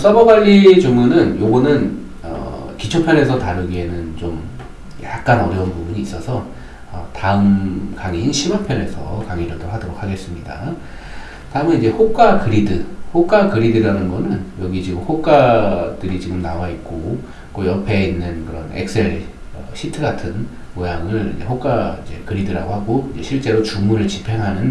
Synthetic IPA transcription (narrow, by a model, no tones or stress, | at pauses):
s͈abʌbaʎːid͡ʑoŋɯnɯnjoɡʌnɯn | ʌ̰kit͡ɕʰʌpʰjʌne̞sʰʌtaɾɯɡienɯnt͡ɕom | jak̚k͈anʌɾjʌunpubuɲiːs͈ʌsʰʌ | ʌtaɯmkaŋiçinɕʰimapʰjʌne̞sʰʌ̰kaŋiɾɯɭdohadoɾok̚ʰaɡe̞s͈ɯmɲida̰ | taɯmɯnid͡ʑe̞hok͈akɯɾidɯhok͈akɯɾidɯɾanɯnɡʌnɯnjʌɡit͡ɕiɡɯmhok͈ad̥ɯɾit͡ɕiɡɯmnawait̚k͈o | k͈ojʌpʰe̞inːɯnkɯɾʌ̰nḛk̚s͈e̞ɭ | ʌɕʰitʰɯɡatʰɯn | mojaŋɯɭḭd͡ʑe̞̰ɸok͈aid͡ʑe̞̰kɯɾidɯɾa̰ɡoɦaɡoid͡ʑe̞ɕʰiɭt͡ɕ͈e̞ɾot͡ɕuŋmuɾɯɭt͡ɕipʰe̞ŋɦanɯn